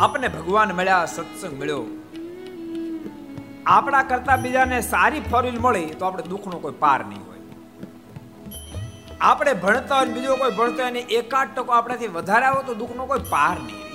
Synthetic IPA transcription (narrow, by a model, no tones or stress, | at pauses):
apnebʱəɡʋanmeɭjasət̪səɡmɪɭjo | apɽ̃akəɾt̪abid͡ʒanesaɾipʰɔɾilməɭet̪oapɽ̃ed̪ukʰnokoipa̰ɾnə̰ɦḭ̃ɦo̰j | apɽ̃ebʱəɳt̪aɦonbid͡ʒokoibʱəɳ̃t̪oeniʔekaʈːəkoapɽ̃at̪ʰiʋəd̪ʱaɾeaʋot̪od̪ukʰnokoipaɾnə̰ḭ̃